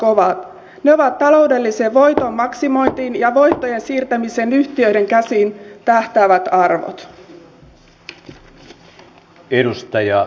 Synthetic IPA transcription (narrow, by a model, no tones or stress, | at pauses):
koʋɑt̪ | ne̞o̞ʋɑt̪ːɑlo̞wde̞lːiseːʋo̞jt̪o̞mːɑksimo̞jnt̪iːnjɑʋo̞jt̪ːo̞je̞nsiːrt̪æmise̞nyçt̪iø̞jde̞ŋkæsiːnt̪æht̪æːʋæt̪ɑrʋo̰t̪ | edust̪ɑjɑ